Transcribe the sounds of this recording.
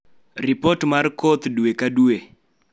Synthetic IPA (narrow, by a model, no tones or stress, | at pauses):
ripɔtmarkɔt̪duekadue